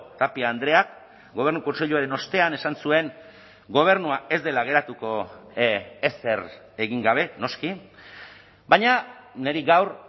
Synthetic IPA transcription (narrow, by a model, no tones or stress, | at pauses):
t̪apiaːnd̪ɾe̞ak | ɡo̞β̞e̞ɾnuko̞nse̞ʎuaɾe̞no̞st̪e̞ane̞sansue̞ŋ | ɡo̞β̞e̞ɾnuae̞zd̪e̞laɣ̞e̞ɾat̪uko̞ | ese̞r | e̞ɣiŋɡaβ̞e̞no̞ski | baɲane̞ɾiɡawr